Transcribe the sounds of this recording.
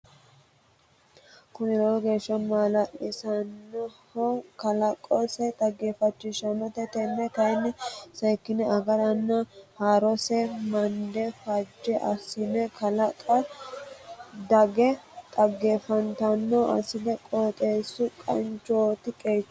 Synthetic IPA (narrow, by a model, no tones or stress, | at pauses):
kʊnɛlɔɔɡe̞ːʃːɐmaːlɐʔɪsɐnːɔhɔkɐlɐkʼːɔsɛt̪ʼɐɡːeːfɐt͡ʃːɪʃɐnːɔt̪ɛt̪ɛnːɛt̪ɐjnːɛsɐjkːɪnɛɐɡɐɾɐnːɐhaːɾɔsɛmɐnd̪ɛfɐd͡ʒːɛʔɐ̰sɪnɛkʰɐlɐkʼɐ | d̪ɐɡɛt̪ʼɐɡːeːfɐnt̪ɐnːɔʔɐ̰sɪd̪ɛkʼoːt̪ʼe̞ːsːʊkʼɐ̰nt͡ʃoːt̪ɪkʼeːt͡ʃː